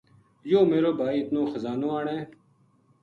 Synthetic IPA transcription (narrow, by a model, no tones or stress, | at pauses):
joːmeːɾoːbʱaːiːɪt̪nõːxəzaːnõːaːɳẽː